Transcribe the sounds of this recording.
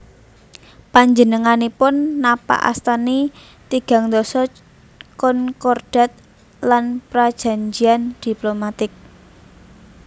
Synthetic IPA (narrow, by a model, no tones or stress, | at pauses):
paɲd͡ʒənəŋanipʊnːapa̰ʔa̰st̪ani | t̪iɡ̥a̤ŋd̪ɔsɔt͡ʃ | kɔnkɔrɖ̥a̤t̪̚ | lanpɾad̥ʒ̥a̤ɲd͡ʒiand̪̥i̤plomat̪ɪk̚